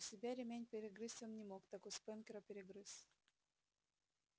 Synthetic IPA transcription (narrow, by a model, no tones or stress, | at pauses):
sʲɪbʲaɾʲɪmʲænʲpʲɪɾʲɪɡrɨsʲomnʲɪmokt̪akʊspɛnkʲɪɾəpʲɪɾʲɪɡɾɨs